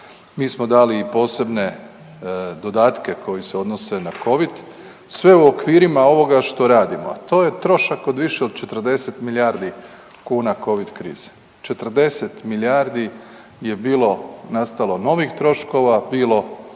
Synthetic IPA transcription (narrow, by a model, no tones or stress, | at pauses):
miːsmo̞d̪aːliːpo̞ːse̞bne̞ | d̪o̞d̪aːt̪ke̞kʰo̞jiseo̞d̪nose̞nako̞ʋid̪ | sʋe̞uokʋiːɾimao̞ʋo̞ɡaʃt̪o̞ɾaːd̪imoat̪o̞ːje̞t̪ɾo̞ʃako̞d̪ʋiʃeod̪̚t͡ʃe̞t̪r̩d̪e̞set̪miljaːɾd̪i | kuːnako̞ʋid̪kɾḭːz̥e̥ | t͡ʃe̞t̪r̩d̪e̞set̪miljaːɾd̪i | je̞biːlo̞nast̪alˠo̞no̞ʋixt̪ɾo̞ʃko̞ʋabiːlo̞